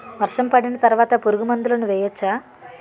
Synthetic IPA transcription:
ʋɐɾʂɐmpɐɽinɐt̪ɐɾuʋaːt̪ɐpuɾuɡumɐnd̪ulɐnuʋɛːjɐt͡ʃːaː

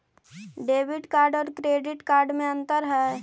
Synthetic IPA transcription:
ɖeːʋɪɖkaːɾɖɔːɾkɾeːɖɪʈkaːɾɖmẽə̃nt̪əɾɦɛː

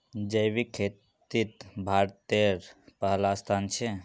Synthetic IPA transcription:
d͡ʒəjʋikʰeːt̪ | it̪bʱaːɾt̪eɾpəɦəlast̪ʰant͡ʃʰe

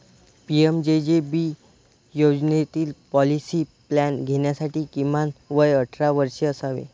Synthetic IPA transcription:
piemd͡ʑed͡ʑebi | jod͡ʑnet̪iːlpɔlisiplanɡʱeɳjasaʈiːkimanʋəjəʈʰɾaʋəɾɕeəsaʋḛ

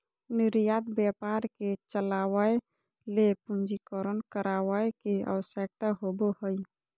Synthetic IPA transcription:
niɾijad̪bjəpaɾket͡ʃəlawəe | lepund͡ʒikəɾənkəɾawəekeə̰wəsək̚t̪aɦobohəj

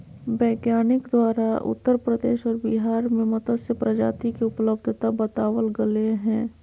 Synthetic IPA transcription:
bɛːɡjaːnɪkd̪waːɾaʔʊ̰t̪ːəɾpɾəd̪ḛːʃɔːɾbiɦaːɾmẽmʊt̪əd̪sepɾəd͡ʒa̰ːt̪ikeʊpləb̚d̪ʱt̪abət̪aːwəlɡəleɦɛ̃ː

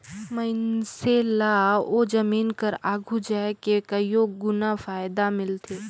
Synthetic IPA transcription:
mɐɪnselaoːd͡ʒɐmiːnkəɾaːɡʱud͡ʒaːekekɐijoːɡʊnafaːjd̪amɪlt̪ʰeː

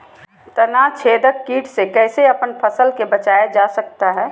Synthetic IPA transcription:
t̪ənat͡ʃʰeːd̪əkːiːʈsekɛːseɐpənpʰəsəlkebət͡ʃaːed͡ʒasək̚t̪aɦɛː

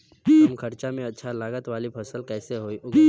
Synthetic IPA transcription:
mkʰɐɾt͡ʃamẽɐtːʃʰalaːɡət̪ʋaːlipʰɐsəlkɛːseɦoːiʔʊ

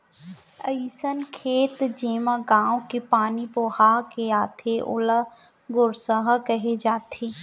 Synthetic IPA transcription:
əisənkʰeːt̪d͡ʒeːmãɡãːwkepaːnipoːhaːkejaːt̪ʰeʔʊ̰la | ɡʊɾsəɦkɐɦed͡ʒaːt̪ʰeː

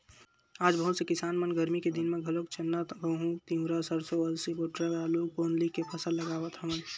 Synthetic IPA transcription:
aːd͡ʒbəɦũsekɪsaːnmənɡəɾmiked̪inmẽɡʱəlokt͡ʃʰənːət̪bəɦũt̪ĩɦuɾasəɾsoəlsiboʈɾaɾalukoːnlikːepʰəsəlːəɡaːbət̪ɦəmən

